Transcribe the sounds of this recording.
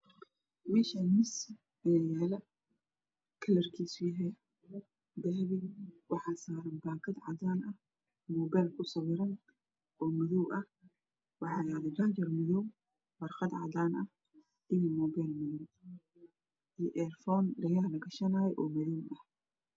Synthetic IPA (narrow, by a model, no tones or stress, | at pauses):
wiːʃɐnmɪs | ɪnɛjɛːlɐ | kʰɐlɐrkʰiːsʊjɐɦɛ | d̪ɐɦβɪwɑħɑːsaːɾɐnbaːkʰɐd̪ʕɑ̰d̪aːnɐh | mɔːbajlkʰʊsɐwɪɾɐn | ʔɔːmʊðɔwʔɐh | wɑħɑːjaːðd͡ʒaːt͡ʃɐrmʊðɔw | wɐrqɑd̪ʕɑ̰d̪aːnɐh | d̪imimɔːbajlmʊðɔw | ʔiʔɛrfɔːnɖɐjaːhlɐɡɐʃɐnɐjɛjʔɔːmɐðuːmɐh